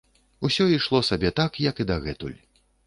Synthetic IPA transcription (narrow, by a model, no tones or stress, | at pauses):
usʲɔiʂlˠɔsabʲɛt̪akjɐkid̪ɐɣɛt̪ṵlʲ